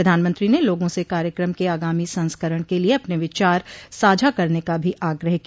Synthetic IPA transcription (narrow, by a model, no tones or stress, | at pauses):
ɐd̪ʱaːnmə̃nt̪ɾineloːɡõsekaːɾjəkɾəmkeaːɡaːmisɐ̃nskəɾəɽ̃kelieɐpneʋɪt͡ʃaːɾsaːd͡ʒʱakɐɾnekabʱiʔaːɡɾəɦki